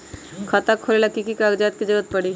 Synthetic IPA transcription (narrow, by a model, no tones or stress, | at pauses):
kʰɐt̪akʰːolelakikikaːɡd͡ʒaːt̪̚kid͡ʒɐɡət̪̚pɐɽiː